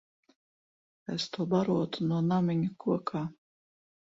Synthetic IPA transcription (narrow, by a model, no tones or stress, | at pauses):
est̪uɔbaɾuɔt̪unuɔnamʲiɲʲukuɔkʰaː